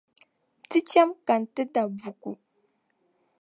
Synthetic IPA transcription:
tɨ˦t͡ʃɛ˦mka˨n˨tɨ˦da˨bu˨ku˨

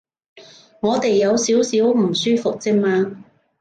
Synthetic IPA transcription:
ŋɔː˨˧t̪e˨jːɐ˨˧wsiː˨˥wsiː˨˥wm̩˨˩syː˥fʊ˨k̚t͡sɪ˥ŋ̚maː˧

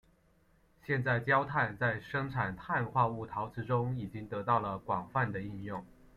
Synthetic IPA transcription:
ɕjɛ˥˧nt͡sa˥˩ɪt͡ɕjɑ˥ʊt̪ʰa˥˩nt͡sa˥˩ɪʂɤ˥ŋʈ͡ʂʰa˨˩nt̪ʰa˥˧nxwa˥˧u˥˩t̪ʰɑ˧˥ʊʈ͡ʂɻ̩˧˥ʈ͡ʂʊ˥ŋi˨˩t͡ɕi˥ŋt̪ɤ˧˥t̪ɑ˥˩ʊlə˩kwɑ˨˩ŋfa˥˩nd̪ə˩i˥˧njʊ˥˩ŋ

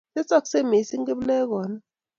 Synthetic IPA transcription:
sɛ˦t͡sʼa˦˨kse˦˨me˨˦si˦ŋɡe˦blɛ˦k̬ɔː˨˦na˦

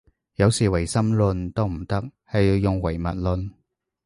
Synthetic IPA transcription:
jɐ˨˧wsiː˨˩wɐ˨˩jsɐ˥mlɵ˧nt̪o˥wm̩˨˩t̪ɐ˥k̚hɐ˨jiː˨˧wjʊ˨ŋwɐ˨˩jmɐ̰˨t̚lɵ˧n

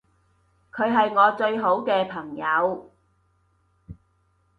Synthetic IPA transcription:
kʰɵ˨˧ɥɦɐ˨jŋɔː˨˧t͡ʃɵ˧ɥɦo˨˥wkɛː˧pʰɐ˨˩ŋjɐ˨˧w

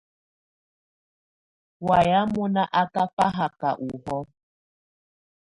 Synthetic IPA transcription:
wa˨ja˦mɔ˦na˦ʔa˦ka˦pa˦ɦa˨ka˨ʔu˨hɔ˦

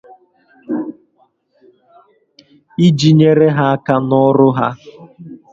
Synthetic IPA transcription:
i˦d͡ʒi˨ɲe˦ɾe˦ɦa˦a˦ka˦nɔ˦ɾʊ˦ɦa˦

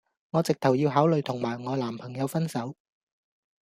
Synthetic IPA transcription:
ŋɔː˨˧t͡sɪ˨k̚t̪ʰɐ˨˩wjiː˧wɦaː˨˥wlɵ˨˧ɥt̪ʰʊ˨˩ŋmaː˨˩jŋɔː˨˧laː˨˩mpʰɐ˨˩ŋjɐ˨˧wfɐ˥nsɐ˨˥w

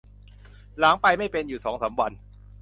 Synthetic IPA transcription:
la˩˦ŋpa˧jma˥˩jpe˧njuː˨˩sɔː˩˦ŋsaː˩˦mwa˧n

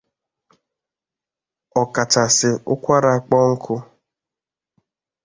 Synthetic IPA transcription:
ɔ˨ka˨t͡ʃa˨sɪ˨ʊ˦kʷa˦ɾa˨a˨k͡pɔ˦ŋ̩˦kʰʊ˦

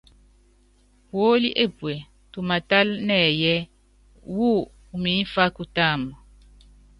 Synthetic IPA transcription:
wo˦li˦ʔe˦˨pwe˨ | tu˨ma˨ta˦lnɛ˦˨jɛ˦ | wu˦ | u˨mi˨˦fa˦ku˦taː˦mɔ˨

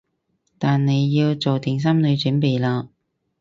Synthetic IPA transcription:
t̪aː˨nne˨˧jːiː˧wt͡so˨wt̪ɪ˨˩ŋs̬ɐ˥mnɵ˨˧ɥt͡ʃɵː˨˥npe˨˧jlaː˧

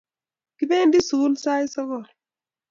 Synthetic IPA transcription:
ki˦be˦ndi˦su˨˦lsa˦jsɔ˦kɔ˨

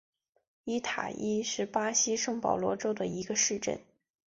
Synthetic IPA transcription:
i˥t̪ʰa̰˨˩ʔi˥ʂɻ̩˥˩pa˥ɕi˥ʂɤ˥˩ŋpɑ˨˩ʊlwɔ˧˥ʈ͡ʂo˥ʊd̪ə˨i˧˥ɡə˧ʂɻ̩˥˧ʈ͡ʂə̰˥˩n

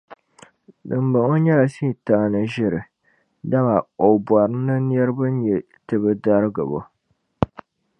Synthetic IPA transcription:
dɨ˨mbɨ˨ŋo˦ɲɛ˦la˨si˦˨taː˨˦˨nɨ˨ʒɪ˦ɾɨ˨ | da˦ma˨o˨bwa˨ɾɨ˦nːɨ˦n˦ɛ˦ɾɨ˦bɨ˦n˦ɲɛ˨ | tɨ˨bɨ˦da˦ɾɨ˦ɡɨ̰˨bo̰˦

